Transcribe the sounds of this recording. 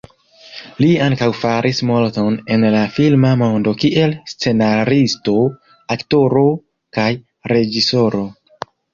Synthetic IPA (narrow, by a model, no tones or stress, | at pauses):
liaŋkawfaɾʔismo̞lto̞ne̞nlafilmamo̞ndo̞kiʔe̞lst͡se̞naɾisto̞ | akto̞ɾo̞ | kaj | ɾe̞d͡ʒiso̞ɾo̞